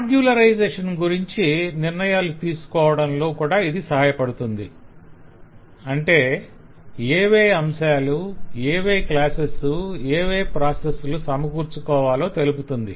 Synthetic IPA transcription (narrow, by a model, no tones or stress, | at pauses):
aːɡjulɐɾɐjd͡ʒeːʂɐnɡuɾiɲt͡ʃiniɾnɐjaːlut̪iːsu̥kɔːʋɐɽɐnlo̞ːkuːɽaːid̪isɐɦaːjɐpɐɽut̪und̪i | ɐɳʈe̞ː | eːʋeːɐmʃaːlueːʋeːklaːsesueːʋe̞ːpɾaːsesulusɐmɐkuːɾt͡ʃukɔːʋaːlo̞ːt̪e̞luput̪und̪i